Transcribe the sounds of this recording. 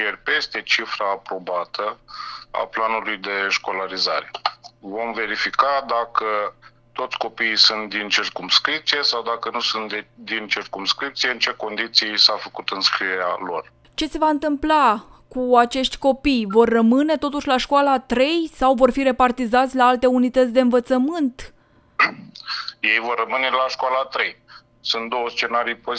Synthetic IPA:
jerʲpe̞st̪e̞t͡ʃifɾaːpɾo̞bat̪ʰəa̰planulujd̪e̞ʃko̞laɾiza̰ɾe̞vo̞mve̞ɾifikad̪akə | t̪o̞t̪sʲko̞piːjsunt̪d̪int͡ʃirkumskɾip̚t̪sije̞sawd̪akənusunt̪d̪int͡ʃirkumskɾip̚t̪sijeɨnt͡ʃe̞ko̞nd̪it̪sisafəkut̪ɨnskɾiea̰lo̞̰r | t͡ʃe̞se̞vaɨnt̪ɨmplakuat͡ʃe̞ʃt̪ʲko̞pijvo̞rːəmɨne̞t̪o̞t̪uʃʲlaʃkwalat̪ɾe̞jsawvo̞rfiɾe̞part̪izat̪sʲlaalt̪e̞unit̪ət̪sʲd̪e̞ɨnvət̪səmɨnt̪ | je̞jvo̞rːəmɨne̞laʃkwalat̪ɾe̞j | sunt̪d̪o̞wəst͡ʃe̞naɾijpo

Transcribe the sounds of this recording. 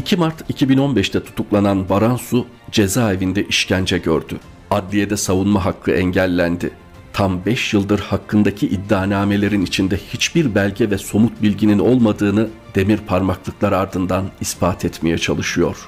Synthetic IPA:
icʰimaɾt̪ʰicʰibino̞nbɛʃt̪ʰɛt̪ʰu̥t̪ʰuklˠananbaɾansu | d͡ʒe̞zaːevind̪ɛʔiʃcænd͡ʒɛɟøɾd̪y | ad̪lʲije̞d̪ɛsavunmaɦakʰːɯʔɛɲɟælʲːænd̪ɪ | t̪ʰambɛʃjɯlˠd̪ɯɾhakːɯnd̪acʰiʔid̪ːaːnaːme̞lʲe̞ɾinit͡ʃʰind̪ɛhit͡ʃbiɾbælʲɟɛvɛso̞mut̪̚bilʲɟinino̞lˠmad̪ɯːnɯd̪e̞miɾpʰaɾmaklˠɯklˠaɾaɾd̪ɯnd̪anispʰaːt̪ʰɛt̪me̞jɛt͡ʃʰa̰lˠɯʃɯjo̞̰ɾ̥

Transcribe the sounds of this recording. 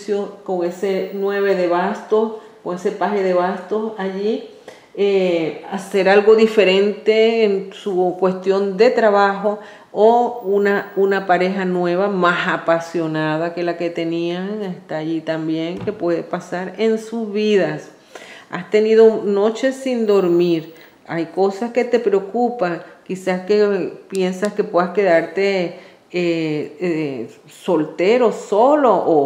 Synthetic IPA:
jokoŋesenweβe̞ðeβast̪okoŋesepaheðeβast̪o̞saʝi | ease̞ɾalɣo̞ðife̞ɾe̞nt̪e̞ːnsukwe̞st̪jo̞nd̪e̞t̪ɾaβaxo | ounaunapaɾe̞ɦanwe̞βamasapasjo̞naðake̞laket̪e̞nĩaŋest̪aːʝit̪ambjeŋkepweðepasaɾensuzβiðas | a̰st̪eniðonot͡ʃesind̪o̞ɾmiɾ | ajkosasket̪epɾeokupaŋkisaskepjensaskepweðaskeðaɾt̪e | ee | solt̪eɾosoloʔo

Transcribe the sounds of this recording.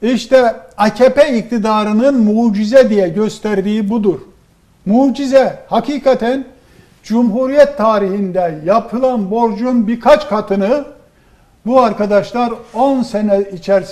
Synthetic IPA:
iʃt̪ʰɛacʰepɛik̚t̪ʰid̪aːɾɯnɯnmuːd͡ʒizɛd̪ijɛɟø̞st̪ʰæɾd̪iːbud̪uɾ̥ | muːd͡ʒizɛhakʰiːkʰat̪ʰæn | d͡ʒumɦuɾijɛt̪ʰːaːɾihind̪ɛjapʰɯlˠanbo̞ɾd͡ʒunbiɾkʰat͡ʃkʰat̪ʰɯnɯ | buaɾkʰad̪aʃlˠaɾo̞nsenɛit͡ʃʰæɾs

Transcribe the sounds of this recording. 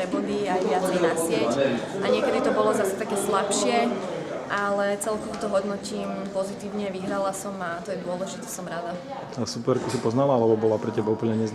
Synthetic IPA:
ɾɛbud̪iajʋɪaznɛnasɪɛc | ʔaɲɪɛkɛd̪it̪ɔbɔlɔzasɛ̥t̪akɛːslapʃɪɛʔalɛt͡sɛlkɔʋɔt̪ɔɦɔd̪nɔciːmpɔzit̪iːʊɲɛʋiɦɾalasɔmat̪ɔjɛd̪ʊɔlɛʒit̪ɛsɔmɾad̪a | supɛɾkusipɔznalaalɛbɔbɔlapɾɛcɛbaupl̩ɲɛɲɛz

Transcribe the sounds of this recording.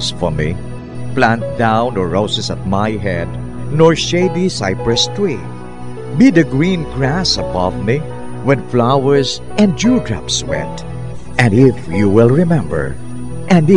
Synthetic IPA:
sfɔmḭ | plæ̃nt̚dãʊ̃nɔɹoʊsɨsət̚maɪɦɛd | nɔɹʃeɪdisaɪpɹəstʰwi | bid̪ɨɡɹĩːnɡɹæsəbʌvmi | wɪd̪flaʊə˞z | ɛ̃nd͡ʒuːdɹa̰pswɛ̰̃nt | ɨ̃ndɪfjuwɪlˠɹɪmɛ̃mbə̰˞ | ʔɛ̃n

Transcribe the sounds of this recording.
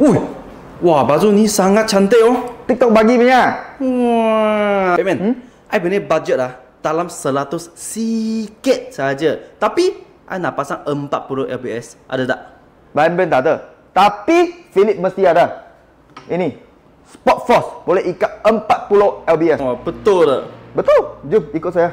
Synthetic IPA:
uj | wabazunĩsaŋat̪̚t͡ʃant̪eʔot̪ik̚t̪ɔk̚baɡiməɲa | ɛmɛ̃n | ʔajbənebad͡ʒɛt̪̚lah | d̥alamsəlat̪ʊsːikɛt̪̚saad͡ʒət̪api | ʔa̰jnaʔpasaŋəmpat̪̚puloʔɛlbiɛsʔa̰dada̰ʔ | baɛmbɛnt̪adə | t̪apifilip̚məst̪iada | ini | spɔt̪̚fɔsbolɛhikat̪̚əmpat̪̚puloɛlbiɛsbət̪ʊldə̰bət̪uld͡ʒumikʊt̪̚saja

